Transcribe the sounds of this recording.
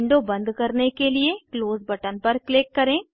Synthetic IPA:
ɳɖobɐ̃nd̪kɐɾnekeliekloːzbɐʈənpɐɾklɪkːɐɾẽː

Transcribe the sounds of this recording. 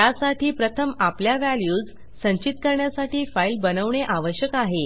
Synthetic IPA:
jasaʈʰiːpɾət̪ʰəmapljaʋæljuːd͡z | sə̃ɲt͡ɕit̪kəɾɳjasaʈʰiːfailbənəʋɳeʔaʋəɕjəkaɦe

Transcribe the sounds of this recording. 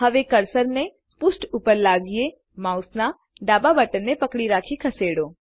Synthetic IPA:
ɦɐʋekɐɾsəɾnẽ | pʊsʈuːpəɾlaːɡije | mãːʊsna | ɖaːbabəʈənːẽpɐkɽiɾaːkʰikʰɐseːɽoː

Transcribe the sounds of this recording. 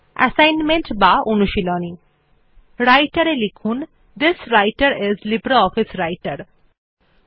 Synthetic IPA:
ɛ̰sajnmeɳʈbaonuʃilɔni | ɾajʈaɾelikʰun | d̪ɪsɾajʈaɾɪzlibɾaɔfisɾajʈaɾ

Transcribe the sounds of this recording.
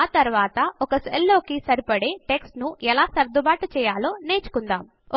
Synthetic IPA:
aːt̪ɐɾuʋaːt̪ɐɔkɐselːo̞ːkisɐɾipɐɽe̞ːʈe̞ksʈnuɛlaːsɐɾd̪ubaːʈɐt͡ʃɛːjaːlo̞ːneːt͡ʃu̥kund̪a̰ːm

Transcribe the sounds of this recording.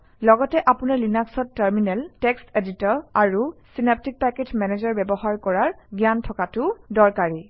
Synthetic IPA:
lɔɡɔtɛʔapunaɹlinaksɔtːaɹminɛlteksteditɔɹaɹusinap̚tik̚pɛketmɛnezɔɹbɛbɔɦaɹkɔɹaɹɡjantʰɔkatʊdɔɹkaɹi

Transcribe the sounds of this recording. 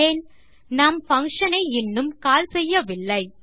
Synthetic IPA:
eːn | naːmfɐŋkʂɐnɐɪɪnːɯmkaːlsɛjːɐʋɪlːɐɪ

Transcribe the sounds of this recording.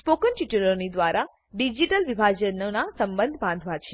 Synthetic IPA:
spokənʈiʈəlonid̪ʋaɾʔa | ɖid͡ʒiʈəlʋibʱaɡd͡ʒənənasəmbənd̪ʱbãnd̪ʱʋat͡ʃʰe

